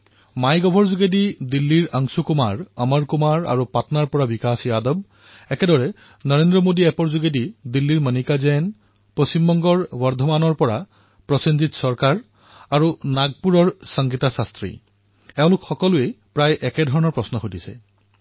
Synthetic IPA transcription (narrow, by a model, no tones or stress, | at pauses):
majɡɔbʱɔɹzuɡedidilːiɹaŋsukumaɹəmaɹkumaɹa̰ɹupatnaɹpɔɹabikasiadɔb̚ | ɛkɛdɔɹɛ | nɔɹendɹɔmodiɛpɔɹzuɡedidilːiɹmənikazɛn | post͡ɕimbɔŋɡɔɹbɔɹd̪ʱɔmanɔɹpɔɹa | pɹɔsenzitsɔɹkaɹ | aɹunaɡ̚puɹɔɹsəŋɡitasastɹḭ | ɛʊ̃lʊkxɔkɔlʊe | pɹajʔɛkɛdʱɔɹɔnɔɹpɹɔsnɔxodisɛ̰